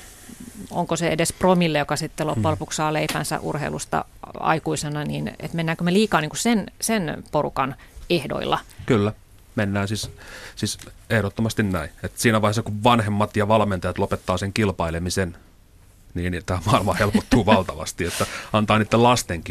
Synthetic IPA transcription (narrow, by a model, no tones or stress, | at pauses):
o̰ŋkoseḛdespromilːejokɑsit̪ːelopːulpukssɑːleipæ̰nsæ̰ʔṵrhḛilust̪ɑ̰ɑ̰ikuisenɑnḭːnḛt̪menːæːŋkømeliːkɑːniːŋkussensenporṵkɑn | ehdo̰ḭlːɑ̰kylːæ | menːæːnsissisehɾot̪ːomɑst̪innæiet̪siːnæʋɑihesɑkuʋʋɑnhemːɑt̪jɑʋɑlment̪ɑjɑt̪lopet̪ːɑːseŋkilpɑilemisen | niːnt̪æːmɑilmɑhelpot̪ːuːʋɑlt̪ɑʋɑ̰st̪iet̪ːæɑnt̪ɑːniːt̪ːelɑst̪eŋki